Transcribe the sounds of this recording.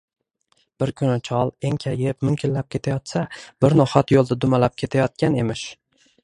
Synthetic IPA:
b̥ɪɾkʲʰʊnɪt͡ʃʰɒlˠeŋkʲʰajepmʊmkʲʰɪllap̚kʲʰe̞t̪ʰajɒt̪sab̥ɪɾnɒhat̪jolˠd̪ad̪ʊmalap̚kʲʰe̞t̪ʰajɒt̪̚kʲʰane̞mɪʃ

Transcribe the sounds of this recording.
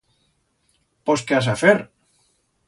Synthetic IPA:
poskeas̬afeɾ

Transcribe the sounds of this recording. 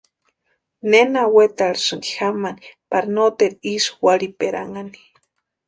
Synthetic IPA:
nenawet̪aɾisɨŋɡixamanipaɾinot̪eɾiswaɾipeɾa̰ŋani̥

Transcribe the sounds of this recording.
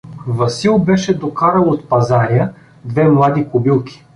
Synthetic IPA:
vɐsilˠbɛʃɛd̪okaɾəlˠot̪pɐzaɾijə | d̪vɛmlˠad̪ikʊbilˠkʰʲi̥

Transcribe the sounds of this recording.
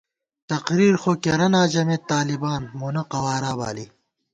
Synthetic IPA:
t̪ɐqɾiːɾxoːkeɾɐnaːd͡ʑɐmet̪ːaːlibaːnmunɐqɐwaːɾaːba̰ːli

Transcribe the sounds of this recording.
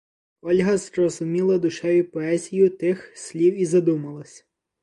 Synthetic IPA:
ɔlʲɦɐzɾɔzʊmʲilˠɐd̪ʊʃɛjʲʊpɔɛzʲijʊt̪ɪxsʲlʲiwizɐd̪umɐlˠɐsʲ

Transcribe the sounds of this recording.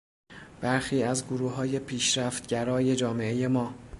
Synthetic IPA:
b̥æɾxiːæzɡoɾuːɦɒːje̞pʰiːʃɾæft̪̚ɟæɾɒːje̞d͡ʒɒːme̞e̞je̞mɒː

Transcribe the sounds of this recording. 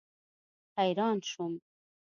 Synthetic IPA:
hajɾɑːnʃum

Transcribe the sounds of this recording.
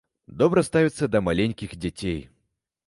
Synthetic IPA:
d̪ɔbɾɐst̪avʲit̪sːɐd̪ɐmalʲenʲkʲiɣd͡zʲat͡sʲej

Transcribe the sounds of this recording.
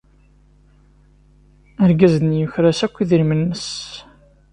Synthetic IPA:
əɾɡæznjəçɾasækʷːiðiɾmənːəs

